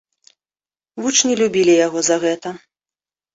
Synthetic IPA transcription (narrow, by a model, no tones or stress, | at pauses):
vut͡ʂnʲilʲubʲilʲijaɣɔzɐɣɛt̪ɐ